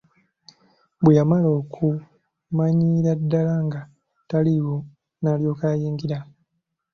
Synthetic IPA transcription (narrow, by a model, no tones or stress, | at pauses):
bwejamalo̞ːkʰu | maɲiɾadːalaŋɡa | taliwo̞ | naljo̞ːkaːjiːŋɡiɾa